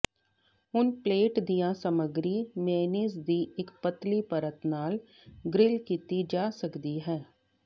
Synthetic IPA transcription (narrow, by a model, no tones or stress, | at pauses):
ɦʊnpleːʈd̪ijãːsəməɡɾiːmeːniːsd̪iːɪkpət̪liːpəɾət̪naːl | ɡɾɪlkiːt̪id͡ʒaːsəkd̪iːɦɛː